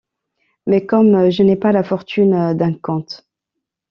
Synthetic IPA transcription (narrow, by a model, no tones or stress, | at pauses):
mɛkɔmʒənɛpalafɔʁt̪ynd̪ɛ̃kɔ̃t̪